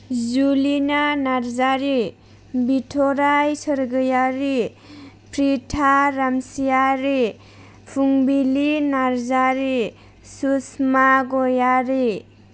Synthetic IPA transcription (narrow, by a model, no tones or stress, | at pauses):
zulinanaɾzaɾi | bitʰɔɾajsəɾɡɯjaɾi | pʰɾitʰaɾamsijaɾi | pʰuŋbilinaɾzaɾi | susmaɡɔjaɾi